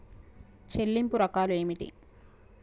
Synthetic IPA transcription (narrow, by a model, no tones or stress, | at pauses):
t͡ʃelːimpuɾɐkaːlue̞ːmiʈḭ